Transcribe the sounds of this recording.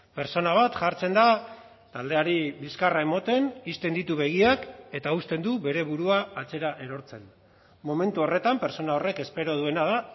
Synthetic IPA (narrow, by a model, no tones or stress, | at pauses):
pe̞ɾt͡so̞naβ̞at̪ʝaɾt͡se̞nd̪a | t̪ald̪e̞aɾiβiskarae̞mo̞t̪e̞nist̪e̞nd̪it̪uβe̞ɣiake̞t̪aust̪e̞nd̪uβe̞ɾe̞βuɾuaːt͡se̞ɾaʔe̞ɾo̞ɾt͡se̞n | mo̞me̞nt̪uo̞re̞t̪ampe̞ɾt͡so̞nao̞re̞ke̞spe̞ɾo̞ð̞ue̞naða